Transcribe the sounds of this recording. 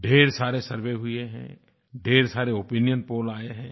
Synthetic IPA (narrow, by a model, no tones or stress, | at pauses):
ɖʱeːɾsaːɾesɐɾʋeɦʊeɦɛ̰̃ | ɖʱeːɾsaːɾeopinijənpoːlaːeɦɛ̃ː